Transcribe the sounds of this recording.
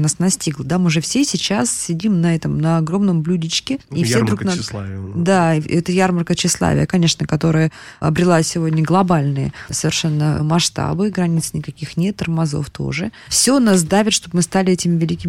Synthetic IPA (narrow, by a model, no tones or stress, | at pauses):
nasnɐsʲtʲiɡlˠəd̪amɨʐɛfsʲesʲɪt͡ɕassʲɪdʲimnɐɛt̪əmnɐɐɡɾo̞mnəmblʲudʲɪt͡ɕkʲɪifsʲed̪ɾuknaslˠd̪aɛt̪əjarmərkət͡ɕːɪslˠa̰vʲɪ̰əkɐnʲe̞ʂnəkɐt̪o̞ɾəjəɐ̰bɾʲɪlˠasʲɪvo̞dʲnʲəɡlˠɐbalʲnɨjə̰səvʲɪrʂɛnːəmɐʂt̪a̰bɨɡɾɐnʲit̪sɨ̥nʲɪkɐkʲixnʲet̪ːərmɐzo̰ft̪ʰo̞̰ʐɨ | fsʲonas̬d̪avʲɪt̪ʂt̪o̞b̚mɨst̪alʲɪɛtʲɪmʲɪvʲɪlʲikʲɪmʲɪ